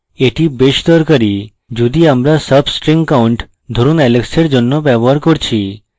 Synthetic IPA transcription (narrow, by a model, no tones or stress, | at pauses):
eʈibeʃt̪əɾkəɾi | d͡ʒud̪iamɾasəbsʈɾĩŋɡkauɳʈ | d̪ʱoɾunɛlekseɽd͡ʒɔnːopɛʋəɾkɔɾt͡ʃʰi